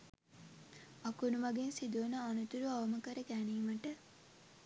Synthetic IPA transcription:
ɐkunuʋɐɡensid̪oːnəːnut̪uɾuaʋɐməkəɾəkæːneːməʈə

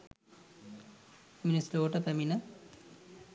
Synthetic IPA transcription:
minisloːʈɐpɐminɐ

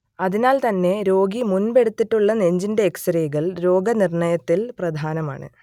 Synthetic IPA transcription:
ɐðinaːlt̪ɐnːe̞ɾo̞ːɡimunbe̞ɽut̪ːiʈːuɭːɐneɲd͡ʑinde̞ːksɾeːɣɐɭɾo̞ːɡɐnirɳɐjɐt̪ːilprɐd̪ʱaːnɐma̰ːɳɨ̰

